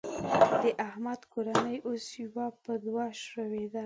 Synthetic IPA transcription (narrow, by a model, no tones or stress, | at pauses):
d̪̥əʔahmad̪koɾanəjʔosjwapəd̪waʃəwed̪a